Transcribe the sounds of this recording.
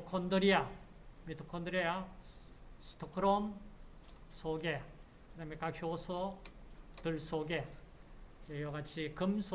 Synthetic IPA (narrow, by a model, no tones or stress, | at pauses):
kʰondɯɾia | mit̪ʰokʰond̪ɯɾia | stʰokʰɯɾom | soɡe | kɯamekakʰjosʰo | t̪ɯɭsoɡe | d͡ʑejʌɡat͡ɕʰikɯmsʰo